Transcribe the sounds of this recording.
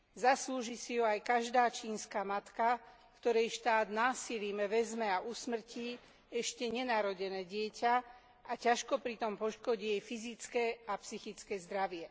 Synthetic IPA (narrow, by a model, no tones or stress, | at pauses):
zasluːʒisiɦuajkaʒd̪aːt͡ʃiːnskamat̪ka | kt̪ɔɾɛjʃt̪aːd̪naːsiliːmɛʋɛzmɛaʔusmr̩ci | ɛʃcɛɲɛnaɾɔɟɛnɛːɟɪɛca | acaʃkɔpɾit̪ɔmpɔʃkɔɟiːjɛjfizit͡skɛːapsixit͡skɛːzd̪ɾaʋɪɛ